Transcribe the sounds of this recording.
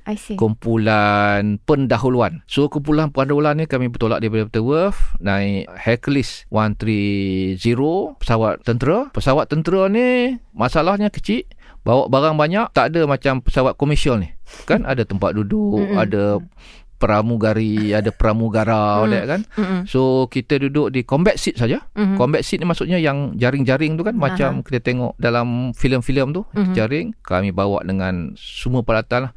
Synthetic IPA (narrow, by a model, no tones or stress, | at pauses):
kumpulanpəndaɦuluansuəkump̬ulanpuandolanːikamibət̪ola̰ʔdaipadəpat̪əwəfnaiʔhɛkliswant̪ɾiziɾopə̥sawat̪̚t̪ːənt̪əɾəpəsawat̪ːənt̪əɾənimasalahɲəkə̥t͡ʃiʔ | bawaʔbaɾaŋbaɲaʔt̪adəmat͡ʃampə̥sawat̪̚koməsiəlnɪkanʔa̰dət̪əmpat̪̚dudʊʔa̰də | pəɾamuɡaɾiadəpəɾamuɡaɾawdaaʔkansokit̪ədudʊʔdikɔmbɛt̪̚sit̪̚sad͡ʒakombɛt̪̚sit̪̚nimaʔsut̪ʔ̚ɲajaŋd͡ʒaɾɪŋd͡ʒaɾɪŋt̪ukanmat͡ʃamkit̪ət̪eŋɔ̰ʔdalamfiləmfiləmt̪ut̪d͡ʒaɾɪŋka̰mibawa̰ʔdəŋansəmuəpəlat̪anlah